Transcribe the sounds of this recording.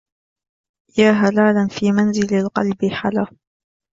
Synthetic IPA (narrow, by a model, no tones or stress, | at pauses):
jaːɦalaːlanfiːmanzɪlalqɑ̰lbɪħalaː